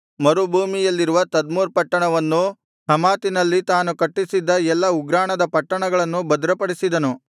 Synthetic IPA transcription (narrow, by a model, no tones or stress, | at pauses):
mɐɾubʱuːmijɐlːiɾuʋɐt̪ɐd̪muːɾpɐʈːɐɳɐʋɐnːu | hɐmaːt̪inɐlːit̪aːnukɐʈːisid̪ːɐɛlːɐuɡɾaːɳɐd̪ɐpɐʈːɐɳɐɡɐɭɐnːubɐd̪ɾɐpɐɽisid̪ɐnu